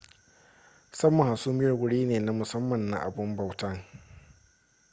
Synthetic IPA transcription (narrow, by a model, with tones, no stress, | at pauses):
sɐ˦mːɔ˨ŋha˨su˦mɪ˦jɐ˨ɡʷʊ˦ɽiː˦neː˨na˦mʊ˨sɐ˦mːɐ˨nːa̰˨ʔa̰˨bʊ˦mba˨wtɐ˦ŋ